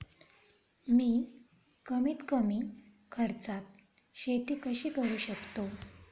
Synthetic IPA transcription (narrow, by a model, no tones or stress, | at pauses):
miː | kəmiːt̪kəmiː | kʰəɾt͡sat̪̚ | ɕet̪iːkəɕiːkəɾuːɕəkt̪o